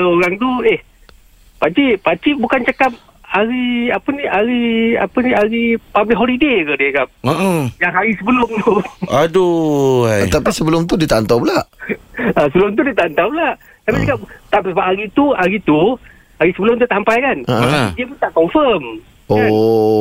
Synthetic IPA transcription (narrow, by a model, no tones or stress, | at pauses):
oɾaŋt̪ueh | pat͡ʃipat͡ʃiʔbukant͡ʃəkap̚ | aɾiapəniaɾia̰pəniaɾipablɪk̚ɦɔlidekədiəkap̚əʔəjaŋɦaɾisəbəlʊmt̪uadu | t̪apisəbəlʊmt̪̬udiət̪aʔnt̪awblaʔ | əsəbəlʊmt̪̬udit̪aʔant̪awpəlaʔ | t̪apit͡ʃəkapt̪apisabaʔaɾit̪uaɾit̪u | aɾisəbəlʊmt̪ut̪aʔhampajkanəʔdiəpunt̪aʔkɔɱfəm | o